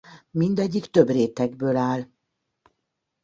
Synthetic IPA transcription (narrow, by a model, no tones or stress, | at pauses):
mind̪ɛɟːikt̪øbreːt̪ɛɡbøːlaːl